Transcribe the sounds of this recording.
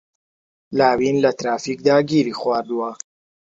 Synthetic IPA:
laːwinlɐt̪ɾaːfiːk̚d̪aːɡiːɾiːxwaːɾd̪uwɐ

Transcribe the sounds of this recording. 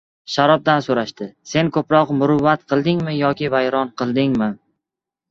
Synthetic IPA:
ʃaɾɒb̚d̪ansoɾaʃt̪ɪse̞nkʰɵpɾɒqmʊɾʊvːat̪qʰɨlˠd̪ɪŋmɪjɒkʲɪvajɾɒnqʰɨlˠd̪ɪŋmɪ

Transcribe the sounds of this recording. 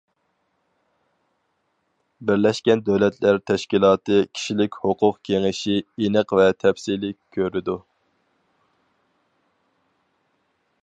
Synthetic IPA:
bɪɾlɛʃkʲɛnd̪øwlɛt̪læɾt̪ʰɛʃkʲilˠɑːt̪ɨkʲʰi̥ʃilɪkʲhoqʰʊqkʲʰeŋɪʃienəqvɛt̪ʰɛfsilɪkʲʰːøɾɪd̪u

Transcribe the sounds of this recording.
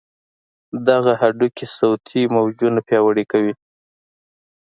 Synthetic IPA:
d̪aɣahaɖukesawt̪ʰimawd͡ʒunapjɑwaɽekawi

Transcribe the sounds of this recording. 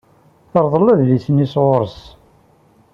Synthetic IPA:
θəɾˤðˤlæððisənisʁʊɾəs

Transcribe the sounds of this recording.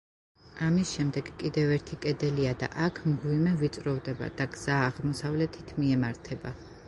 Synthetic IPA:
amisʃɛmd̪ɛɡkʼid̪ɛvɛɾt̪ʰikʼɛd̪ɛliad̪a̰ʔakʰmɡwimɛvit̪sʼɾɔvd̪ɛba̰d̪̥aɡz̥aːʁmɔsavlɛt̪ʰit̪ʰmiɛmaɾt̪ʰɛba

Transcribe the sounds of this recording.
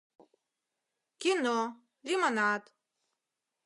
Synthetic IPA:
kʲino | limanat̪

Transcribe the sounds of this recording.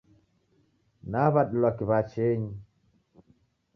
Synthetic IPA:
naβaɗulwakiβat͡ʃeɲi

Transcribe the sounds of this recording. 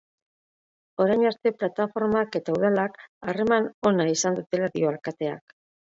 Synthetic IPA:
o̞ɾajɲast̪e̞plat̪afo̞ɾmake̞t̪auðalakare̞mano̞naisand̪ut̪e̞laðio̞alkat̪e̞a̰k

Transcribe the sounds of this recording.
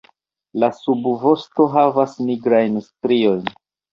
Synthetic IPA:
lasubvo̞sto̞ɦavasniɡɾajnstɾio̞jn

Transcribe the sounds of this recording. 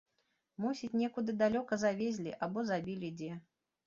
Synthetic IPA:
musʲit͡sʲnʲɛkud̪ɨd̪alʲɔkɐzavʲezʲlʲḭʔabɔzabʲilʲid͡zʲɛ

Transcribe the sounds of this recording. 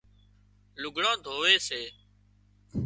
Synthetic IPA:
lʊɡʱɽãːd̪ʱoːʋeːseː

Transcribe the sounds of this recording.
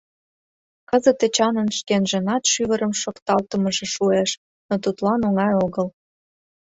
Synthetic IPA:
kəzət̪et͡ɕɑnənʃkenʒənɑt̪ʃyβəɾəmʃokt̪ɑlt̪əməʒĕʃueʃ | not̪ut̪lɑnoŋɑjoɣəl

